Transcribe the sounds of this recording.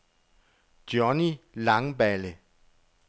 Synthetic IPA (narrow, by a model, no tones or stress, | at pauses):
d̥jɒnilɑ̈ŋbælə